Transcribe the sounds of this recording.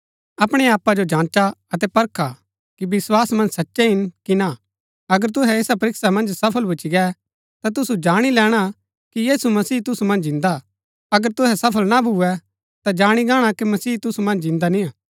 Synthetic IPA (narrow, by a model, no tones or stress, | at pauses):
ɐpɽ̃ɛaːpːad͡ʒod͡ʒãːt͡ʃaɐt̪̬ɛpɐɾkʰa | kibɪswaːsmɐ̃nd͡ʒsɐtːʃɛɦɪnkina | ɐɡəɾt̪̬ʊɦɛeːsapɐɾɪksamɐ̃nd͡ʒsɐpʰəlbʊt͡ʃiɡɛ | t̪at̪̬ʊsud͡ʒaːɽ̃ilɛːɽ̃a | kijiːsumɐsiːt̪̬ʊsumɐ̃nd͡ʒɪ̃nd̪a | ɐɡəɾt̪ʊɦɛsɐpʰəlnabʱuɛ | t̪ad͡ʒaːɽ̃iɡaːɽ̃akimɐsiːt̪ʊsumɐ̃nd͡ʒɪ̃nd̪anĩaː